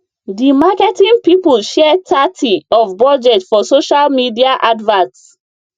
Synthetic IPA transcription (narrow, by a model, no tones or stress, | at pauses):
dimakɛtĩnpipulʃɛɛtʰatʰiɔfbɔd͡ʒɛtfɔsoʃalmidiaʔadvãts